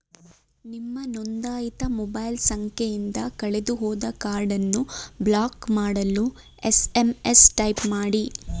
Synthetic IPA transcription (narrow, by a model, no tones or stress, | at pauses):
nimːɐnond̪aːjit̪ɐmobɐjlsɐŋkʰejind̪ɐkɐɭed̪uɦɔːd̪ɐkaːɾɖɐnːublaːkmaːɽɐlu | esemesʈɐjpmaːɽi